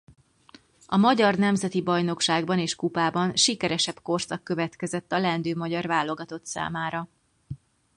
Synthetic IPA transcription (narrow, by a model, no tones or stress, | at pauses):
ɒmɒɟɒrnɛmzɛt̪ibɒjno̞kʃaːɡbɒneːʃkupaːbɒnʃikɛɾɛʃɛpko̞rsɒkːøvɛt̪kɛzɛt̪ːɒlɛnd̪øːmɒɟɒrvaːlːo̞ɡɒt̪o̞t̪sa̰ːmaːɾɒ